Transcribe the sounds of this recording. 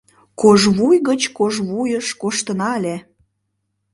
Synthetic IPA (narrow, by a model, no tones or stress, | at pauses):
koʒβujɣət͡ɕkoʒβujəʃkoʃt̪ənɑlʲe